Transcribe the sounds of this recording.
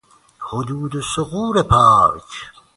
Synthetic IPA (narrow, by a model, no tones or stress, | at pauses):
hod̪uːd̪esʊɣuːɾepʰaːɾt͡ʃʰ